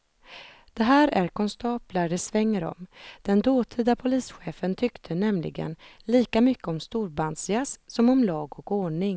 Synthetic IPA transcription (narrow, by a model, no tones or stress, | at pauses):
d̪̥ɛɦæːɾæɾkɔnst̪ɑːplaɖɛsvɛŋːəɾɔ̰md̪̥ɛnd̪oːt̪ʰid̪apʰʊliːsɧeːfənt̪ʰʏkt̪ʰənɛmlɪ̰ɡə̰nliːkamʏkːəɔmst̪uːɾband̪sjassɔmɔmlɑːɡɔkoːɳɪŋ